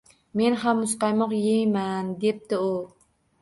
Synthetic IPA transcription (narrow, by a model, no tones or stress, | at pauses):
me̞nhamːʊsqɑjmɒqjejmand̪ep̚t̪ɪu